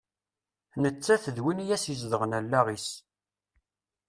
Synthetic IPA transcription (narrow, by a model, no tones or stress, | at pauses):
nət͡sːæθəðwinijæsjəz̬d̪əʁənælːæʁis